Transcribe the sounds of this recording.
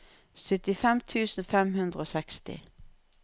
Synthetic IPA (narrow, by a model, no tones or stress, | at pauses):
sʏt̪ɪfɛmt̪ʰʉːsn̩fɛmhʉnd̪ʁəoːsɛkst̪ɪ̰